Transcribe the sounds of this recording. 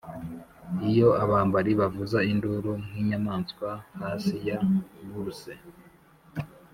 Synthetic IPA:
ijo̞aβaːmbaɾiβavuzainduɾuŋ̥hiɲanaːnswahaːsijaβuɾuse

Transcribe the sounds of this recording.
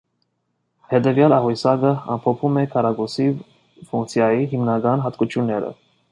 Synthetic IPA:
hɛd̪ɛvjɑlɑɦujsɑɡəɑ̰mpʰɔpʰumɛkʰɑɾɑɡusi | fuŋk̚t͡sʰjɑjiɦimnɑɡɑnɦɑt̪kut͡ʃʰjunːɛɾə̰

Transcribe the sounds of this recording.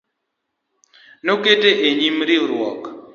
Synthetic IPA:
noketeʔeɲimɾɪɾwɔk

